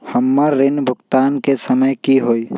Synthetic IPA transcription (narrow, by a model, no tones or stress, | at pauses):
həmːaɾːɪnbʱʊɡt̪aːnkesəməjkiɦoi